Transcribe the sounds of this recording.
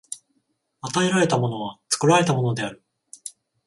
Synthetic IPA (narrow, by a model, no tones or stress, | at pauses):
at̪aeɾaɾe̞t̪amo̞no̞β̞at͡sɨ̥kɯ̟ɾaɾe̞t̪amo̞no̞d̪e̞aɾɯ̟